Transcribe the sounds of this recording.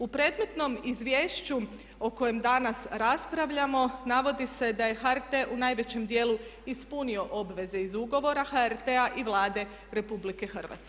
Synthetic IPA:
upɾe̞d̪me̞t̪no̞mizʋje̞ːʃt͡ɕu | o̞ko̞je̞md̪anasɾaspɾaʋʎamo̞naʋo̞d̪ise̞d̪aje̞xaɾt̪e̞ʔunajʋe̞t͡ɕe̞md̪je̞ːlˠuispunio̞ʔo̞bʋe̞ze̞izuɡo̞ʋo̞ɾaxaeɾt̪eaʔiʋlˠaːd̪e̞ | ɾe̞publike̞xr̩ʋa̰t̪sk

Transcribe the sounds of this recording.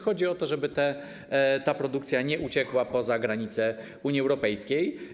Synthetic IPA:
xɔd͡ʑiɔt̪ɔʐɛbɘt̪ɛ | t̪apɾɔd̪ukt̪sʲjaɲɛʔut͡ɕɛkwapɔzaɡɾaɲit̪sɛ | uɲiɛwɾɔpɛjskʲej

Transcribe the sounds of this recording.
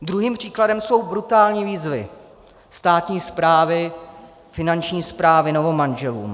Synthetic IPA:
d̪ɾuɦiːmpr̝̥iːkladɛmso̞wbɾut̪aːlɲiːviːzvɪ̰ | st̪aːt̪ɲiːspɾaːvɪ | fɪnant͡ʃɲiːspɾaːvɪnovomanʒɛlṵːm

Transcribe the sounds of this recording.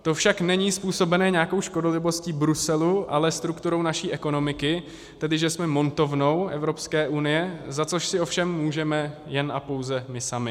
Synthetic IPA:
t̪o̞fʃaknɛɲiːspuːso̞bɛnɛːɲaːko̞wʃko̞dolɪvo̞sciːbɾusɛluʔalɛst̪ɾukt̪uɾo̞wnaʃiːʔɛko̞no̞mɪkɪ | t̪ɛdɪʒɛsmɛmo̞nt̪o̞vno̞wʔɛ̰vɾo̞pskɛːʔunɪjɛzat͡soʃsɪo̞fʃɛmːuːʒɛmɛjɛnʔapo̞wzɛmɪsamɪ

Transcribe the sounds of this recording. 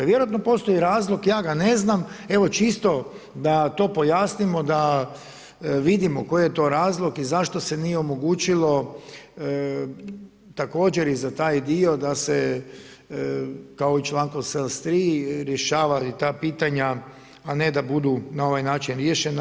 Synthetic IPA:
ʋjeɾoat̪nopo̞st̪o̞jiɾaːzlˠokjaːɡane̞zname̞ʋo̞t͡ʃist̪o̞ | d̪at̪o̞ːpo̞jaːsnimo̞d̪a | ʋid̪imoko̞jjet̪o̞ɾaːzlˠokizaʃt̪o̞se̞nijeomo̞ɡuːt͡ʃilˠo̞ | t̪ako̞ːd͡ʒeɾizat̪aːjd̪io̞d̪ase | kaoit͡ʃlˠaːŋkoselˠst̪ɾiːɾje̞ʃaːʋait̪aːpiːt̪aɲaː | ned̪abud̪unao̞ʋajnaːt͡ʃinɾjeʃen

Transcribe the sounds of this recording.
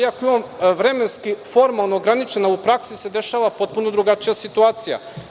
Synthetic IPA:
akoimamʋɾe̞me̞nskifo̞ɾmalˠnoːɡɾanit͡ʃe̞naupɾaksise̞d̪e̞ʃaːʋapo̞t̪̚punod̪ɾuɡat͡ʃijasit̪uaːt̪sija̰

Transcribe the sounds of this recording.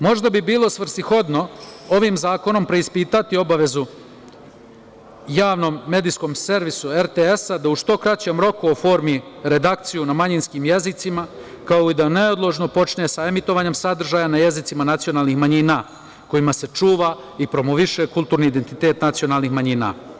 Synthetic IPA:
mo̞ʒd̪abibiːlˠo̞sʋr̩sixo̞d̪no̞o̞ʋimzaːko̞no̞mpɾe̞ispiːt̪at̪io̞baʋe̞zu | jaːʋno̞mːe̞d̪isko̞mse̞ɾʋisueɾt̪eesad̪auʃt̪o̞kɾat͡ɕemɾo̞kuofo̞ːɾmiɾe̞d̪ak̚t̪sijunamaɲinskimje̞zit̪sima | kaoid̪aneod̪lˠoʒno̞po̞t͡ʃnesae̞mit̪o̞ʋaɲe̞msad̪r̩ʒaːjanaje̞zit̪simanat̪sijonaːlˠnixmaɲina | ko̞imase̞t͡ʃuːʋa | ipɾo̞moʋiʃe̞kulˠt̪uːɾniːd̪ent̪it̪e̞ːt̪nat̪sio̞naːlˠnixmaɲina̰

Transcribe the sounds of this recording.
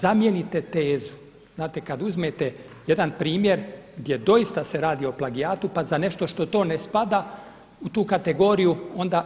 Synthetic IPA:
zamjenit̪e̞t̪e̞ːzu̥ | znaːt̪e̞kad̪uzmeːt̪e | je̞d̪anpɾiːmje̞ɾɡd̪je̞d̪o̞ist̪ase̞ɾaːd̪iːo̞plˠaɡiaːt̪upazane̞ʃt̪o̞ʃt̪o̞t̪o̞ːnespad̪a | ut̪uːkat̪e̞ɡo̞ɾijuo̞nd̪a

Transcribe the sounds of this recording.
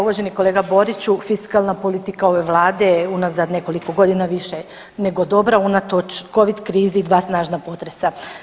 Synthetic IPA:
uʋaʒeniko̞leɡabo̞ɾit͡ɕufiskalˠnapo̞lit̪ikao̞ʋe̞ʋlˠaːd̪e̞unazad̪ne̞ko̞liko̞ɡo̞d̪inaʋiʃe | neɡod̪o̞bɾaunat̪ot͡ʃko̞ʋid̪kɾiːzid̪ʋaːsnaːʒnapo̞t̪ɾesa

